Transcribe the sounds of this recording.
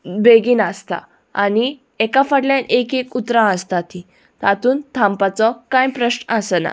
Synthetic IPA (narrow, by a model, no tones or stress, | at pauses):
beɡiːnast̪a̰ | a̰ni | ɛkafaɽljanʔekekut̪ɾãəst̪at̪ʰi | t̪at̪uːnt̪ʰãmpat͡sɔkãjpɾəɕnəsəna̰